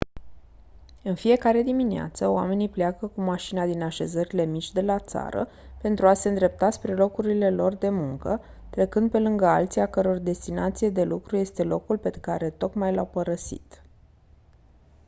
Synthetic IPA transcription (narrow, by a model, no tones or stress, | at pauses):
ɨnfije̞kaɾe̞d̪iminea̰t̪səoa̰me̞nipleakəkumaʃinad̪inaʃe̞zəɾile̞mit͡ʃʲd̪e̞lat̪sa̰ɾə̰ | pe̞nt̪ɾuase̞ɨnd̪ɾe̞p̚t̪aspɾe̞lo̞kuɾile̞lo̞rd̪e̞muŋkə | t̪ɾe̞kɨnd̪̚pe̞lɨŋɡəalt̪siakəɾo̞rd̪e̞st̪inat̪sijed̪e̞lukɾuje̞st̪e̞lo̞kulpe̞kaɾe̞t̪o̞kmajlawpəɾəsḭt̪